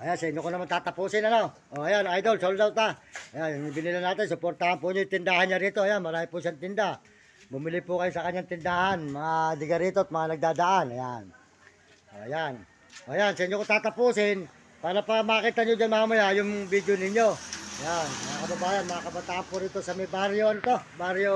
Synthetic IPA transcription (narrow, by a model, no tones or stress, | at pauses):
ʔɐjansɐʔɪɲːokonɐmant̪aːt̪ɐpuːsɪnɐno̞ | ʔoʔɐjanajd̪o̞lsold̪awt̪aɐjanŋbɪnilɪnaːt̪ɪns̬ʊpoɾt̪ahanpʊɲojt̪ɪnd̪aːhanɲːaɾiːt̪o̞ʔɐjanmɐɾaːhɪpʊʃaŋt̪ɪnd̪a | bʊmɪlɪpʊkɐjosɐkɐɲːaŋt̪ɪnd̪aːhanmɐŋad̪ɪɡaɾiːt̪oɐt̪̚mɐŋanɐɡ̚d̪aːd̪aʔanɐjan | ʔoʔɐjan | oʔajansɐʔɪɲːokot̪aːt̪ɐpuːsɪn | paːɾapɐmakiːt̪anɲod͡ʒanmaamɐjajʊŋbid̪jonɪɲo̞ɐjanmɐŋakɐbɐbaːjanmɐŋakɐbat̪aːʔanpʊɾiːt̪o̞sɐmɐjbaɾjoɐnot̪o̞baɾjo